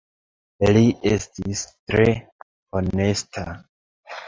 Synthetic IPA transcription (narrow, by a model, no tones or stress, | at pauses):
liʔe̞stistɾe̞ | one̞stʰa